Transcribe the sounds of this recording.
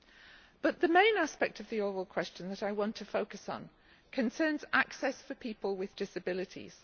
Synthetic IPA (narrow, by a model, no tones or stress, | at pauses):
b̥ʌʔðəmẽɪ̃naspɛk̚tʰəvðiɔɹəlˠkʰw̥ɛst͡ʃə̃nðəɾaɪwɒ̃ntʰəfoʊkəsn̩ | kʰə̃nsɜ̃ːnzaksɛsfəpʰiˑpəlˠwɪðdɪsəbɪlɪtʰḭz̥